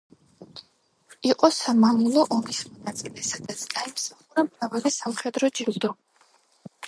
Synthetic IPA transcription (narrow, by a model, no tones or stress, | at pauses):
iqʼɔsamamulˠɔʔɔmismɔnat̪sʼilɛsad̪at̪sʰɡaimsaχuɾamɾavalisamχɛd̪ɾɔd͡ʒilˠd̪ɔ